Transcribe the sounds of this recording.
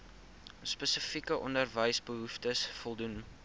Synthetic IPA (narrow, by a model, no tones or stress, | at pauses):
spəsəfikəʔɔndərvəjsbəɦuftəsfɔlˠdun